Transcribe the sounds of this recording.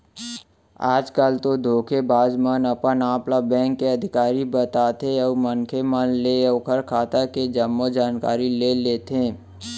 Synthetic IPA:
aːd͡ʒkaːlt̪od̪ʱoːkʰebaːd͡ʒmənəpənãːplabɛ̃ːŋkːeɐd̪ʱɪkaːɾibət̪aːt̪eɔːmənkʰemənleɔːkʰəɾkʰaːt̪aked͡ʒəmːod͡ʒaːnka̰ːɾileleːt̪ẽː

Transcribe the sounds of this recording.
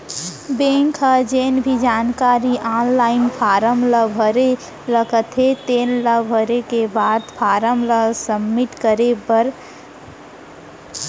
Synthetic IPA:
bẽːŋkʰɦad͡ʒeːnbʱid͡ʒaːnkaːɾiʔaːnlaːɪnpʰaːɾəmləbʱəɾe | ləkət̪ʰɦet̪eːnləbʱəɾekebaːd̪pʰaːɾəmləsəmːɪʈkəɾepəɾ

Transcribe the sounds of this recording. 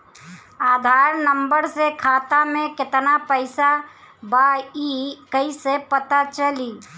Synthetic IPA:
ad̪ʱaɾnəmbəɾsekʰat̪amẽket̪napəɪsa | baikəisepət̪at͡ʃəli

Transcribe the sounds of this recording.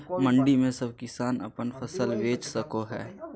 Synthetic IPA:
mə̃ɳɖimẽsɐbkɪsaːnɐ̰pənfʰɐsəlʋeːt͡ʃsɐkoɦɛ̰ː

